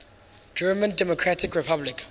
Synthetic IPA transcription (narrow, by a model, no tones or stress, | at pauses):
d͡ʒɜːmə̃ndɛmokʰɹatʰɪkɹɪpʰablɪk